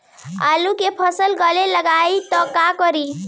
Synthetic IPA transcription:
a̰lukepʰəsəlɡəleləɡait̪ɔkakɔɾi

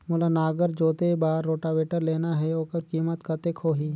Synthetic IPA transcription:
mʊlanaːɡəɾd͡ʒoːt̪ebaːɾːoːʈaʋeːʈəɾleːnaɦɛoːkəɾkiːmət̪kət̪eːkʰoːɦiː

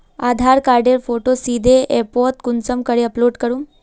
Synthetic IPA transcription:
ad̪ʱaɾkaɾɖeɾfoʈosid̪ʱeʔeɾpɔt̚kunt͡səmkəɾeəploɖkəɾuːn

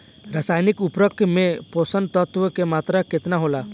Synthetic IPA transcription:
ɾasaːjnɪkʊpɾəkʰmẽpoːsə̃nd̪̚t̪ət̪ʋəkemaːt̪ɾakɪt̪naɦoːlaː

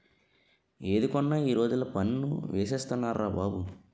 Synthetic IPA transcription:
eːd̪ukɔnːaːiːɾo̞ːd͡ʒulɐpɐnnṵʋeːseːst̪unːaːɾaːbaːbu

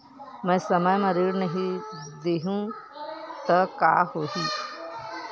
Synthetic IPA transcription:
mɛ̃ːsɐməjmɐɾiːɽnɐɦĩd̪eɦũ | t̪ɐkaːhoːɦiː

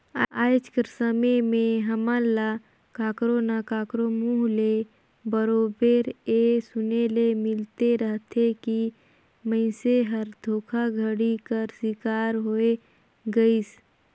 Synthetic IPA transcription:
aːjt͡ʃkəɾsəmemẽɦəməla | kaːkɾonakaːkɾomuɦle | bəɾoːbeːɾesʊnelemɪlt̪eɾəɦt̪ʰeki | mə̃ɪ̃seɦəɾd̪ʱoːkʰaɡʱəɽikəɾsɪkaːɾɦoe | ɡəis

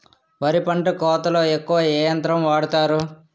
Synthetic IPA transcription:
ʋɐɾipɐɳʈɐkɔːt̪ɐlo̞ːekːuʋɐɛːjɐnt̪ɾɐmʋaːɽut̪aːɾu

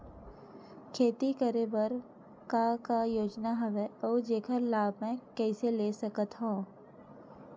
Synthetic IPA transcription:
kʰeːt̪ikəɾebəɾ | kakajoːd͡ʒnaɦɐʋeɔːd͡ʒeːkʰəɾlaːbʱmɛ̃kɛːseleːsɐkət̪ɦõː

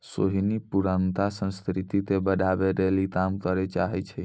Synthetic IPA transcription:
soɦinipuɾənt̪asə̃nskɾit̪it̪ebədʱabeɾelikamkəɾɛt͡ʃaɦɛt͡ʃʰɛ

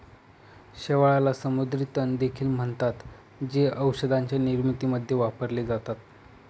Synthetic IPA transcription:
ɕeʋaɭalasəmud̪ɾit̪ənd̪ekʰiːlm̤əɳt̪at̪ | d͡ʑeʔəwsəd̪ʱaɲt͡ɕjaniɾmit̪iməd̪ʱːjeʋapəɾled͡zat̪at̪

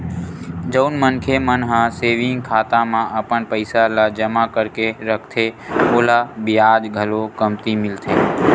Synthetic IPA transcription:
d͡ʒəʊnmənkʰemənɦãseːʋɪ̃ŋɡkʰaːt̪ãmãʔəpəɳpəɪsalad͡ʒəmakəɾkeɾəkʰt̪ʰeoːlabɪjaːd͡ʒɡʱəlokəmt̪imɪlt̪ʰeː

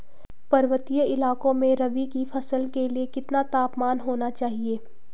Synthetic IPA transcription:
pɐɾʋət̪ijəɪlaːkõmẽɾɐʋikifʰɐsəlkeliekɪt̪nat̪aːpmaːnɦoːnat͡ʃaːɦieː

